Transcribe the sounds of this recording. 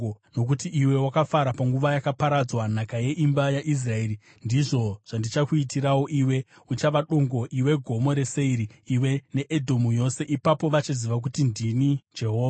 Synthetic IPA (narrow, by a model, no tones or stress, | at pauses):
no̞k̬utiʔiwe̞wakafaɾapaŋɡuʋajakapaɾad͡zwanakaje̞ʔimbajaʔis̬rae̞ɾi | ndiʐo̞ʐ̥andit͡ʃakuitiɾawo̞ʔiwe̞ut͡ʃaʋaɗo̞ŋɡo̞ʔiwe̞ɡʱo̞mo̞ɾe̞seiɾiːwe̞ne̞ʔedʱo̞mujo̞se̞ʔipapo̞ʋat͡ʃiziʋak̬utindinid͡ʒe̞ɦo̞ːʋa